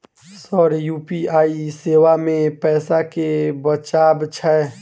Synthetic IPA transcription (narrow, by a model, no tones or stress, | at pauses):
sɔɾjuːpiaːiseːwamẽpɛːsakebət͡ʃaːbt͡ʃʰɛ